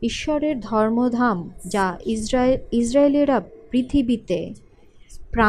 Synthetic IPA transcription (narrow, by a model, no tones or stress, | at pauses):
iʃːɔɾeɾd̪ʱɔɾmod̪ʱamd͡ʑa | isɾaeliɾapɾit̪ʰibit̪e | pɾa